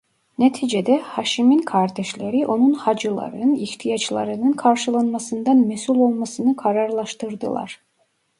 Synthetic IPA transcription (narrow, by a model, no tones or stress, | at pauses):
net̪ʰiːd͡ʒed̪ɛhaʃiminkʰaɾd̪ɛʃlʲeɾiʔo̞nunhɑd͡ʒɯlˠa̰ɾɯniht̪ʰijat͡ʃlˠa̰ɾɯnɯnkʰaɾʃɯlˠanmasɯnd̪ɑnmɛsulʲo̞lˠmasɯnɯkʰaɾaɾlˠɑʃt̪ɯɾd̪ɯ̰lˠa̰ɾ̥